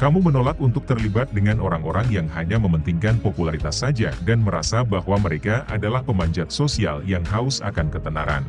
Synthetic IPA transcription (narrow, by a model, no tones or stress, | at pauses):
kamumənolak̚unt̪ʊk̚t̪ərlibat̪̚dəŋanʔoɾaŋoɾaŋjaŋhaɲaməmənt̪iŋkanpopulaɾit̪asad͡ʒa̰danməɾa̰sabahwaməɾekaʔadalahpəmaɲd͡ʒat̪̚sosia̰ljaŋɦaʊsa̰kankət̪əna̰ɾa̰n